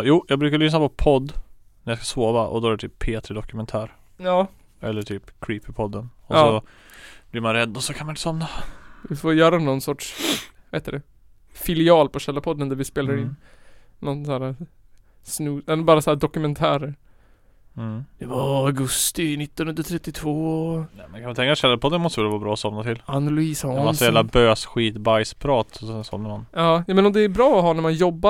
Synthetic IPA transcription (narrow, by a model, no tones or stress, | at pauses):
juːjɑːɡbɾʉːkaɭʏsnapʰɔpʰɔd̪ː | næɾjɑskḁsoːvaʔɔ̰d̪ɔæɾɛt̪ʰyːpʰːeːt̪ɾəd̪ɔkɵmɛnt̪ʰæːɾ | ɑː | ɛlːəʈʰyːpkʰɾiːpɪpʰɔd̪ːənɔsːɔ | blɪɾmanɾɛd̪ːɔsɔkʰanmanɪt̪əsɔmnavɪfoːɾjœːɾanɔnːsɔʈʂvahɛːt̪ːəd̪ɛ | fɪlɪɑːlpɔɕɛlːapʰɔd̪ːənd̪æɾvɪspeːlaɾɪnː | nːɔnsæːɾa | snʉːɛbɑːɾasaæd̪ɔkɵmɛnt̪ʰæːɾəɾ̩ | d̪̥ɛvaɾaɡɵst̪ɪnɪt̪ːɔnhɵnd̪ɾat̪ʰɾɛt̪ːɪt̪ʰvoːnɛmɛnkanvant̪ɛŋkaʂʃɛlːaɾpɔd̪ːənmɔst̪əvɛlːavɑːbɾɑːɔsɔmnat̪ʰɪlanʊlʉiːsɔɛasɔjæːvlabøːsɧiːt̪bajspʰɾɑːt̪ɔɛnsɔ̰məɾmanɑːjmɛnɔmd̪ɛːɾbɾɑːɔɦɑːnæɾmanjɔbːa